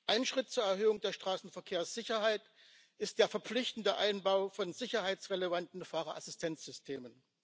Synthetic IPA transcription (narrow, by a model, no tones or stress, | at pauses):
ʔaɪnʃʁ̥ɪt̚t͡suːɐɛɐɦøːʊŋdeːɐʃtʁ̥aːsn̩fɛɐkʰeːɐsz̥ɪçɐɦaɪt | ʔɪst̚d̥eːɐfɛɐp͡flɪçtn̩dəʔaɪnbaʊfɔnzɪçɐɦaɪt͡sʁelevantn̩faːʁɐʔasɪstʰɛnt͡sz̥ʏstʰeːmən